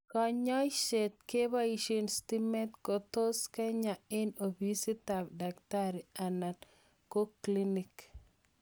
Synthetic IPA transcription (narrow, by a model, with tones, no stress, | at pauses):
kɔ˨ɲɔ˦jʃe˨t̚ke˦ba˦i˨ʃe˨nsti˦mɛ˦tko˨to˦skɛ˦ɲa˨ɪ˦no˨bi˦si˦t̪a˨bda˨kta˦ɾi˨a˨na˨t | ko˦kli˦nɪ˨k